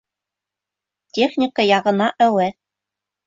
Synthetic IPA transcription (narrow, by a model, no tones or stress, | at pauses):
tʲeχnʲɪkəjɑʁɤ̆nɑʔæwɘ